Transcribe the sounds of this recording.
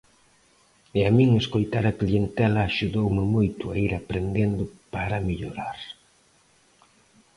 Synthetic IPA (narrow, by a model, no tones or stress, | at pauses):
eamĩŋeskojt̪aɾɐklient̪ɛlɐːʃuðowmɪmojt̪ʊa̰iɾapɾend̪end̪ʊpaɾɐmeʎo̰ɾaɾ